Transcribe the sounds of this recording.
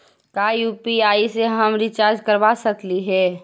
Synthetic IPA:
kajupiaːiseɦəmɾit͡ʃaːɾd͡ʒkəɾbasəkliɦɛː

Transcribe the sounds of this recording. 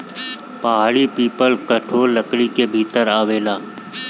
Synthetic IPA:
pəɦaːɽipiːpəlkəʈʰoːlːəkɽikebʱiːt̪əɾaːʋeːlaː

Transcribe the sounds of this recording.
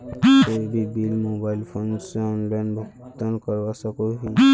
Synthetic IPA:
ebibilmobajlpʰɔnsɔnlajnbʱɔkt̪ankɔɹbasakoɹiɦoj

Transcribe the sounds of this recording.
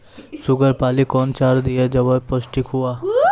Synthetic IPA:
sʊɡəɾpaːlikɔːnt͡ʃaːɾd̪ɪjad͡ʒɐʋapəsʈikɦuaː

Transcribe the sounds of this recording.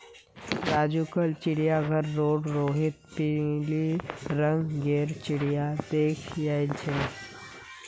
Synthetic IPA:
ɾad͡ʑukəlt͡ɕiɽjaɡʱəɾːoɽɾoɦit̪̚piliɾəŋɡɡeɾt͡ɕiɽjad̪ekʰjajnt͡ɕʰe

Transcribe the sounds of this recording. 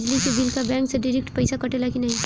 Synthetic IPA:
d͡ʒlikebɪlkabɛ̃ːŋkseɖɪɾɪk̚ʈpɐɪsakɐʈelakinɐɦĩ

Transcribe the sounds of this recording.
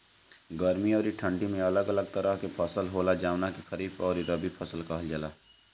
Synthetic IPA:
ɡəɾmiɔːɾiʈʰə̃ɳɖimẽɐləɡələɡ̚t̪əɾəɦkepʰəsəlɦoːlad͡ʒaːʋnakexəɾiːpɔːɾiɾəbipʰəsəlkaɦəld͡ʒəlaː

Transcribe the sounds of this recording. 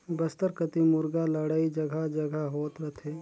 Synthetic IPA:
bəst̪əɾkət̪imʊɾɡaləɽaːid͡ʒəɡʱad͡ʒəɡʱaɦoːt̪ɾət̪ʰeː

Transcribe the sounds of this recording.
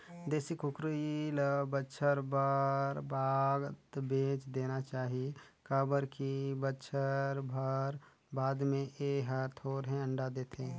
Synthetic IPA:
d̪eːsikʊkɾilbətːʃʰəɾbəɾbaːɡt̪beːt͡ʃd̪eːnat͡ʃaːɦie | kəːbəɾkibətːʃʰəɾbʱəɾ | baːd̪mẽʔeːɦəɾt̪ʰoːɾɦɛ̃ə̃ɳɖad̪eːt̪ʰẽ

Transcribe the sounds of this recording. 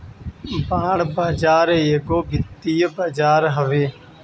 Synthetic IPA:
bãːɽbaːd͡ʒaːɾeːjeɡoːɡʱɪt̪ːiːbaːd͡ʒaːɾɦəʋeː

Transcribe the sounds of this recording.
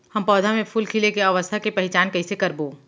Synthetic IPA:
hɐmpɔːd̪ʱamẽpʰʊlkʰilekeɐʋəst̪ʰakepɐɦɪt͡ʃaːnkɐɪsekɐɾboː

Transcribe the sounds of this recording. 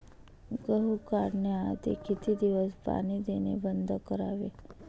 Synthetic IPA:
ɡəɦukaɾnead̪ḛkʰit̪ʰid̪iʋəspa̰ñid̪enḛbənd̪ʱkəɾaʋe

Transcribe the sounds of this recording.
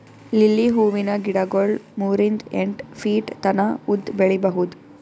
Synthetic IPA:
lilːiɦuːʋinɐɡiɽɐɡoɭmuːɾind̪eɳʈfʰiːʈt̪ɐnɐud̪ːbeɭibɐɦud̪u

